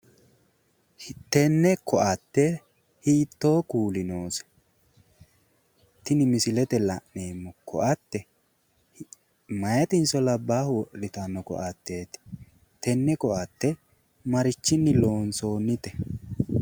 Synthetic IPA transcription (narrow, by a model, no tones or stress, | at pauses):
t̪ɛnːɛkɔʔɐt̪ːɛ | hiːt̪ːo̞ːkuːlɪnoːsɛ̥ | t̪ːɪnɪmɪsɪlɛt̪ɛlɐʔneːmːɔkɔ̰ʔɐt̪ːɛ | mɐjɐt̪ɪnsɔlɐbːaːhwɔʔɪt̪anːɔkɔ̰ʔɐt̪ːe̞ːt̪ɪ̥ | t̪ɛnːɛkɔʔɐt̪ːɛ | mɐɾɪt͡ʃːɪnːɪlo̞ːnso̞ːnːɪt̪ɛ